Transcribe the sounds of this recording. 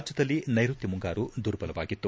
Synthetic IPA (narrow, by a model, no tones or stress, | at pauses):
d͡ʒɐd̪ɐlːinɐjɾut̪ːimuŋɡaːɾud̪uːɾbɐlɐʋaːɡit̪ːu